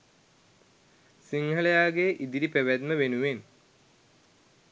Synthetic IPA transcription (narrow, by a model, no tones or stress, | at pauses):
siŋhɐɭejaːɡeʔid̪iɾipeʋæd̪məʋenuʋen